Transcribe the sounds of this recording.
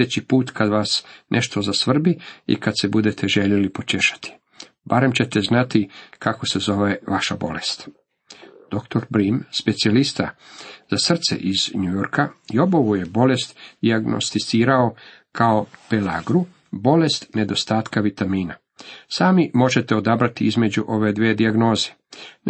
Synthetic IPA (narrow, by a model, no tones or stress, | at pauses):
et͡ɕipuːt̪kʰad̪ʋasnʔeʃt̪o̞zasʋr̩biḭkad̪se̞bud̪e̞t̪ʰe̞ʒe̞ʎe̞lipo̞t͡ʃeʃḁt̪i̥ | baɾe̞mt͡ɕet̪e̞znat̪ikʰako̞se̞zo̞ʋe̞ʋaʃabo̞̰le̞̰st̪ | d̪̥o̞kt̪o̞ɾbɾimspe̞t̪sialist̪azasr̩t̪sḛʔizɲujo̞ɾkʰajo̞bo̞ʋuje̞bo̞le̞st̪d̪iaɡno̰st̪it̪siːɾao̞ | kʰao̞pelaɡɾu | bo̞le̞st̪ne̞d̪o̞st̪aːt̪kaʋit̪amiːna | saːmimo̞ʒe̞t̪eo̞d̪abɾat̪iizme̞d͡ʑuʔo̞ʋe̞d̪ʋed̪iaɡno̞ːze